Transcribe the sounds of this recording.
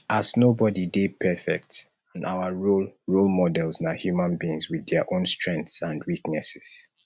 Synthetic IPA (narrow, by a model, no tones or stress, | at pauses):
ʔaznobɔdidepʰɛfɛk̚t | ãna̰wəɹulɹulmɔdɛlsnahjumãnbiĩŋswiðɛəʔõnstɹɛ̃ŋkθsãndwiknɛsɛ̥s